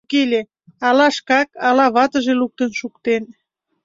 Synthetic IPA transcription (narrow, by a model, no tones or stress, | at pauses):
kelʲe | ɑlɑʃkɑkɑlɑβɑt̪ə̆ʒeluk̚t̪ənʃukt̪en